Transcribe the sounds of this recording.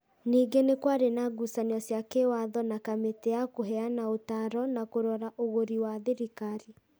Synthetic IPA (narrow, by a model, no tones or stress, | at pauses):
niːɡenekwaɾenaɡusaniɔsjakewaðɔnakameteakoɦɛanaotaɾɔnakoɾɔɾaʔoɣoɾiwaðeɾikaɾi